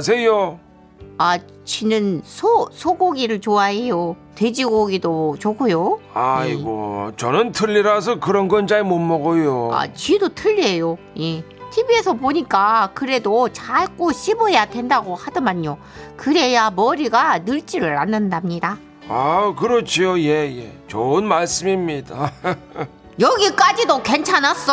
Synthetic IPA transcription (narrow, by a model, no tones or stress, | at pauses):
s̬ʰejo | a | t͡ɕinɯnsʰosʰoɡoɡiɾɯɭt͡ɕoaɦe̞jo | twe̞d͡ʑiɡoɡidot͡ɕokʰujoaiɡo̰t͡ɕʌnɯntʰɯʎːiɾas̬ʰʌkɯɾʌnɡʌnt͡ɕaimomːʌɡojoa̰t͡ɕidotʰɯʎːiejo | je | tʰibie̞sʰʌpoɲik͈akɯɾe̞dot͡ɕaɭk͈oɕʰibɯejadwe̞ndaɡohadɯmaɲːo | kɯɾe̞jamʌɾiɡanɯɭt͡ɕ͈iɾɯɾanːɯndamɲida | akɯɾʌt͡ɕʰijoje̞jet͡ɕoɯnmaɭs͈ɯmimɲida | jʌɡik͈ad͡ʑidoke̞nt͡ɕʰanas͈ʌ